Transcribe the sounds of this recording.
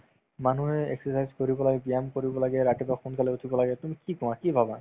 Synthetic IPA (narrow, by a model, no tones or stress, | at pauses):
manuɦeḛksesajzkoɾibolaɡebijamkoɾibɔlaɡɛɾakebaxunkaleot̪ʰibolaɡɛt̪umikikɔ̃akibʱaba